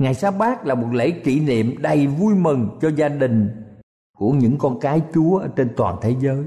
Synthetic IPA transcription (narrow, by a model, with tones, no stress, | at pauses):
ŋaː˨˩jsaː˦˥ɓaː˦˥k̚laː˨˩mo˨˩t̚lḛ˧˥ki˧˩nḭ˧˨əmɗə˨˩jvu˧jmɨ˨˩ŋt͡ɕɔ˧zaː˧ɗï˨˩ŋ̟ | ku˧˩əɲɨ̰˧˥ŋkɔ˧nkaː˨˦jt͡ɕu˨˦əʔəː˧˩t͡ɕe˧nt̪wa̰ː˨˩nt̪ʰe˨˦zəː˨˦j